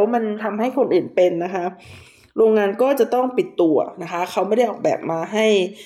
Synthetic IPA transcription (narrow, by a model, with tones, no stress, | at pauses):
wma˧nt̪ʰa˧mɦa˥˩jkʰo˧nʔɯː˨˩npe˧nːa˦˥kʰa˦˥ | ɾoː˧ŋːaː˧nkɔː˥˩t͡ɕa˨˩ʔt̪ɔ˥˩ŋpi˨˩t̪ːu˧ɐna˦˥kʰa˦˥kʰa˦˥wm˥˩jda˥˩jʔɔː˨˩k̚bɛ̰ː˨˩p̚maː˧ɦa˥˩j